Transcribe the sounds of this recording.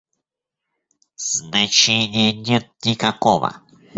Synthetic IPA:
snẽt͡ʃĩɲĩɲə̃t̪ĩkakoβa̰

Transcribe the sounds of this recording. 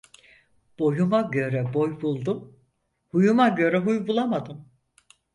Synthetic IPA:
b̥o̞jumaɟø̞ɾɛbo̞jbulˠd̪um | hujumaɟø̞ɾɛɦujbulˠamad̪ɯm

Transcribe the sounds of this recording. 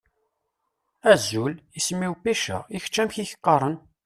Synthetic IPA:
æzːulismːiwpiʃə̰ʁiç̥t͡ʃːæmçiçə̥qːɑɾˤən

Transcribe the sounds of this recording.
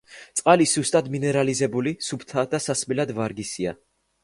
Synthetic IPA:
t̪sʼqʼalisz̥ust̪ʼad̪minɛɾalizɛbulisupʰt̪ʰad̪asasmilad̪vaɾɡisia̰

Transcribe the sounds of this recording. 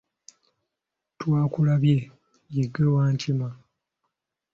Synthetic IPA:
twaːkulaβje̞ | jeɡewaːɲcima

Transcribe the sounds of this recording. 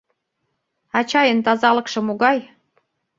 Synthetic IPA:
ɑt͡ɕɑjənt̪ɑzɑlɤ̆kʃɤ̆muɣɑj

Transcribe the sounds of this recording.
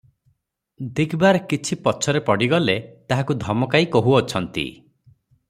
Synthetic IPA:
d̪ikʰbaɾkit͡ʃʰipɔt͡ʃʰɔɾepɔɽiɡɔlet̪aɦakud̪ʱɔmɔkaikoɦuɔt͡ʃʰɔnt̪ḭ

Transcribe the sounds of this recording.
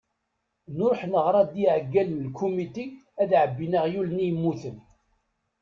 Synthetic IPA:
nʊɾħnəʁɾˤɑd̪iʕəɡːælənəlkʰːumit̪iæðʕəbːinaʁjulnijəmːuθən

